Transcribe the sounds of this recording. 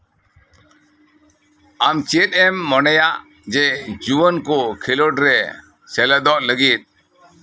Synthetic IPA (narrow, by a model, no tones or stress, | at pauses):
amt͡ʃet̪̚ˀɛmːɔnɛjaʔ | d͡ʒɛd͡ʒuwənkɔkʰilɔɖɾɛ | sɛləd̪ɔʔləɡit̪̚